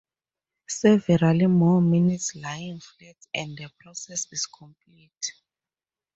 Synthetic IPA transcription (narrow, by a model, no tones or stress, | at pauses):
sɛvɛɹalimɔminitslajĩnflɛtɛ̃nddɛpʰɹɔsɛsiskʰɔ̃mplit